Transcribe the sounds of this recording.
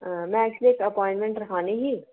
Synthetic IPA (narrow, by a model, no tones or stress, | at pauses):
mɛ̃t͡ʃleːkɐpɔːɪ̃ɳʈmẽɳʈɾɐkʰaːneɦiː